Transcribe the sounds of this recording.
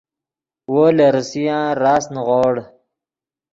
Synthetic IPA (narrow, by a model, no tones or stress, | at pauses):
woːleɾəsijãːɾaːsnʁoːɽ